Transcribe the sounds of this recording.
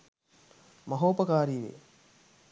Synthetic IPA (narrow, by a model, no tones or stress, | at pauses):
mɐɦoːpəkaːɾiːʋḛ